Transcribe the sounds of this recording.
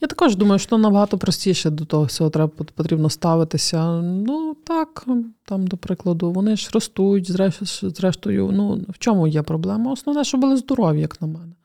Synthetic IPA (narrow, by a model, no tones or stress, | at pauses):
jat̪ɐ̥kɔʒd̪umɐjʊʃt͡ʃɔt̪amnɐbɐɦɑt̪ɔpɾɔsʲtʲijʃɛd̪ɔt̪ɔɦɔt͡sʲɔɦɔt̪ɾɛbɐpɔt̪ʲɾʲibnɔst̪ɑʋɪt̪ɪsʲɐnut̪ɑkt̪ɑmd̪ɔpɾɪklˠɐd̪ʊʋɔnɪʒrɔst̪ujʊtʲzɾɛzɾɛʃt̪ɔjʊ̰nuwt͡ʃɔmujɛpɾɔblˠɛmɐɔsnɔʋnɛʃt͡ʃɔbʊlˠɪzd̪ɔɾɔʋʲijɐknɐmɛnɛ